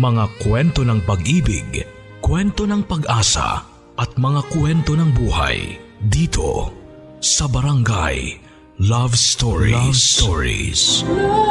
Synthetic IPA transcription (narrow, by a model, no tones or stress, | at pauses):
mɐŋakwɛnt̪o̞nɐŋpɐɡʔiːbɪ̰ɡ | kwɛnt̪o̞nɐŋpɐɡʔaːsɐ̰ | ʔɐt̪̚mɐŋakwɛnt̪o̞nɐŋbuːha̰jd̪iːt̪ʰo̞̰ | sɐbɐɾɐŋɡa̰j | lavst̪oɹḭst̪oɹḭs